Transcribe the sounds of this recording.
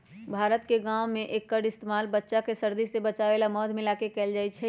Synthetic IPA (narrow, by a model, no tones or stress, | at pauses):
bʱaːɾət̪keɡãwmẽʔeːkːəɖɪst̪emaːlbətːʃakesəɾd̪isebət͡ʃaʋelamɔt̪ʰmɪlakekɛːld͡ʒaɛt͡ʃʰɛ